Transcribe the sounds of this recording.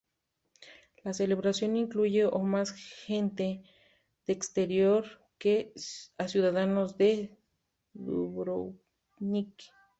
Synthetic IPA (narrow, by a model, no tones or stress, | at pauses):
laseleβɾasjoniŋkluʝeomasxent̪e | ð̥eːkst̪eɾjoɾ | keasjuðaðanozd̪e | ðṵβɾo | nik